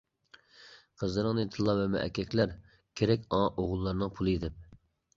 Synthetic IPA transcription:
qʰəzlɨɾɨŋnet̪ʰɨlˠːɑvɛmɛ̰ʔɛ̰kʲʰɛkʲlæɾ | kʲʰeɾɛkʲɑʔoʁʊlˠːɑɾnɨŋpʰulˠɨid̪ɪp̚

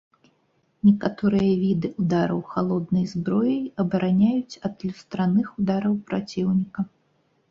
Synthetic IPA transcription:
nʲɛkat̪ɔɾɨjɐvʲid̪ɨud̪aɾɐwxalˠɔd̪nɐjzbɾɔjɐjɐbɐɾʔanʲajut͡sʲɐt̪lʲust̪ɾanɨxud̪aɾɐwpɾat͡sʲiwnʲikɐ

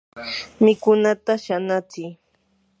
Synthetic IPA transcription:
mɪkʊnat̪aʃanat͡sɪj

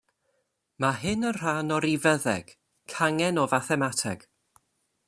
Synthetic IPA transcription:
maɦɨnənr̥anɔɾivəðɛɡ̥ | kʰaŋɛnɔvaθɛmatʰɛɡ̥

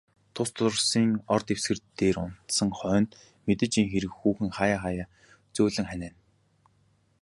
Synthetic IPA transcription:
t̪ʰʊst̪ʰʊr̆siːŋɔrt̪ew̥sɡɘ̆rt̪ːeːrʊn̥t̪sə̆ŋχœːnt̪ | met̪ɘ̆t͡ɕiːŋxeɾɘ̆kxuːxɘ̆ŋχajaːχajaː | t͡suːɮɘ̆ŋχænæːn

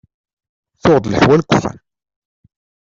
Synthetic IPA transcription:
θʊʁd̪ˤləħwælkʷːəfæ̰n

